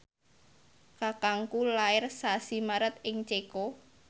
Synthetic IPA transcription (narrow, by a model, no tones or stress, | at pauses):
kakaŋkulaɪrsasimaɾət̪̚ɪŋt͡ʃeko